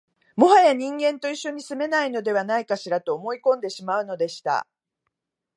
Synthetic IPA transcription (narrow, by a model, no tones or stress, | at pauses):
mo̞ɦajaɲ̟ĩŋɡẽ̞nt̪o̞iɕːoɲ̟isɨme̞naino̞d̪e̞β̞anaikaɕiɾat̪o̞ːmo̞ikõ̞nd̪e̞ɕimaɯ̟no̞d̪e̞ɕi̥t̪a̰